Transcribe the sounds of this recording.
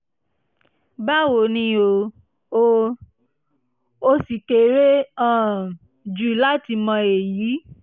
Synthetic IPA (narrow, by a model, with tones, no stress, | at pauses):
ba˦wo˧˨nĩ˧˦o˧ | o˧ | o˧si˨ke˨ɾe˦ã˦˨ | d͡ʒu˦la˦ti˧mɔ̃˧e˨jiː˨˦